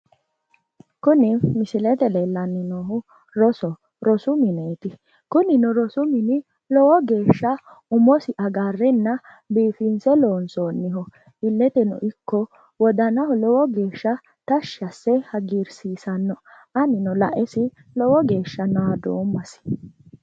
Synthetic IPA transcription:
kʊnɪmɪsɪlɛt̪ɛlelːɐnːɪnoːɦʊ | ɾɔsɔ | ɾɔsʊmɪneːt̪ɪ | kʊnɪnɔɾɔsʊmɪnɪ | lɔwɔɡe̞ːʃːɐ | ʊmɔsɪʔɐɡaːrːɛnːɐ | biːfinsɛloːnsoːnːɪɦɔ | ɪlːɛt̪ɛnɔ̰ʔɪkːɔ | wɔd̪ɐnɐhʊlɔwɔɡe̞ːʃːɐ | t̪ɐʃɐsːɛhɐɡiɾsiːsɐnːɔ | ɐnɪnɔlɐʔɛsɪ | lɔwɔɡe̞ːʃːɐnɔad̪o̰ːmːɐsɪ̥

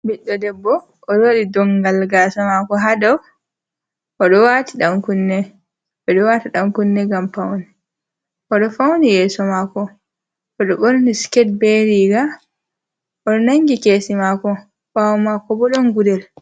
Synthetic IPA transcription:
biɗːɔdɛbːɔ | ʔːɗɔwoɗidɔŋɡalɡaːsɔmakɔɦadɔw | ʔɔɗɔwatiɗamkunːɛ | bɛɗɔwatiɗamkunːɛɡampawnɛ | ʔɔɗɔfawnijɛːsɔmakɔ | ʔɔɗɔɓoɾniskɛd̚beɾiɡa | ʔɔɗɔnaŋɡikeːsimakɔ | fawmakɔbɔɗɔnɡudɛl

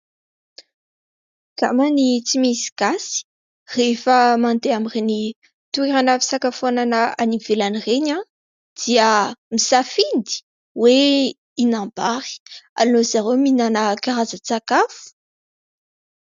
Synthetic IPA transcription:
ka̰manit͡simisi̥ɡasi̥ | refəmant̪eamireni | t̪ueɾanavi̥sakafonanəanivelanireɲã | d̪̥iəmisafind̪i̥ | we | inambaʁi̥a̰linozaɾewminanəkaɾazət͡sakafu̥

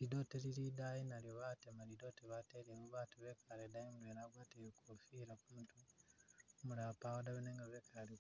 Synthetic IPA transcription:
lidotelilidajinaljoβatemalido̞teβateɾemuβaːtuβekaledajimulenaɡwatejekofiɾakumutu | muɾapawodaβeneːŋɡaβekʰale

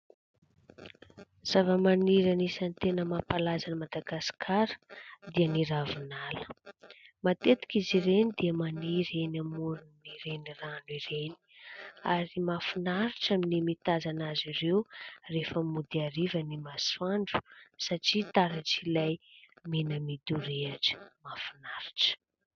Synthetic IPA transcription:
z̥avəmaniɾanisanit̪enəmapalazanimad̪aɡasi̥kʰaɾə̥d̪iəniɾavinalə̥ | mat̪et̪i̥kiziɾenid̪iəmaniɾenamuɾunniɾeniranuiɾeni̥aɾimafinaɾiʈ͡ʂaminimit̪azanazirewrefəmud̪iaɾivənimasaɳɖ͡ʐu̥saʈ͡ʂit̪aɾaʈ͡ʂilajminəmid̪uɾeaʈ͡ʂi̥mafinaɾi̥ʈ͡ʂə̥

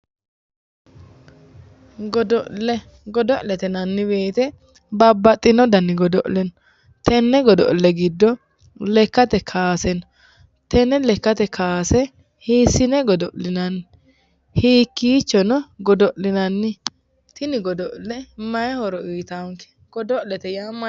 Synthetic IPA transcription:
ɡɔd̪ɔlɛ | ɡɔd̪ɔʔlɛt̪ɛnɐnːɪbe̞ːt̪ɛ | bɐbːɐt̪ʼːɪnɔd̪ɐnːɪɡɔd̪ɔʔlɛnɔ | t̪ɛnːɛɡɔd̪ɔ̰ʔlːɛɡɪd̪ːɔ | lɛkːɐt̪ɛkʰaːsɛnɔ | t̪ɛnɛlɛkːɐt̪ɛkʰaːsɛ | hiːsɪnɛɡɔd̪ɔʔlɪnɐnɪ | hiːkːiːt͡ʃːɔnɔɡɔd̪ɔʔlɪnɐnːɪ | t̪ɪnɪɡɔd̪ɔʔlːɛmɐjɛhɔɾɔiːt̪aŋkɛ̥ | ɡ̥ɔd̪ɔʔlɛt̪ɛjaːm

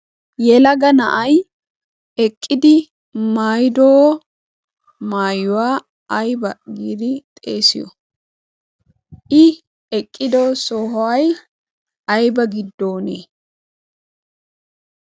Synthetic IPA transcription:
jɛlɐɡɐnɐʔɐj | ɛkʼːɪd̪ɪ | maːjd̪ow | maːjʊwaː | ɐjbɐɡiːd̪ɪt̪ʼe̞̰ːsɪjɔ̰ | ɪ | ɛkʼːɪd̪oːsoːɦwɐj | ɐjbɐɡɪd̪ːo̞ːnḛː

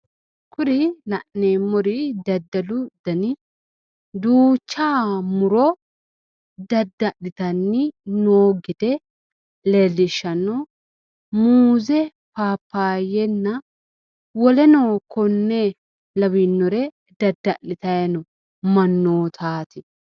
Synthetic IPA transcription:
kʰʊɾɪlɐʔneːmːɔɾɪd̪ɐd̪ːɐlʊd̪̥ɐnɪ | d̪uːt͡ʃːaːmʊɾɔ | d̪ɐd̪ːɐʔɪt̪ɐnːɪnoːɡɪd̪ɛ | lelːɪʃɐnːɔ | muːzɛ | paːpːaːjɛnːɐ | wɔlɛnoːkʰɔnːe | lɐbinːɔɾɛ | d̪ɐd̪ːɐʔɪt̪ɐjɐnɔ | mɐnːoːt̪ʰaːt̪ɪ

